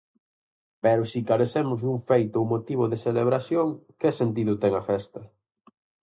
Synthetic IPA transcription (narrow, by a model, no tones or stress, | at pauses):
pɛɾʊsikaɾeθemʊzðuŋfejt̪ʊowmot̪iβ̞ʊðeseleβ̞ɾasjoŋkɪsent̪̬iðʊt̪ɛŋɐfɛst̪ɐ